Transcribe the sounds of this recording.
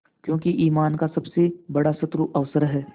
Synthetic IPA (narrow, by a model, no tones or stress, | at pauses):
kjõːkiʔiːmaːnkasɐbsebɐɽasɐt̪ɾuʔɐʋsəɾɦɛː